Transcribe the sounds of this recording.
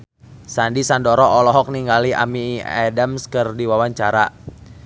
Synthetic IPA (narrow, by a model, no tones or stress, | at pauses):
sandisandɔɾɔʔːlɔɦɔk̚niŋɡaliʔa̰miɛdamskɨrdiwawaɲt͡ʃaɾa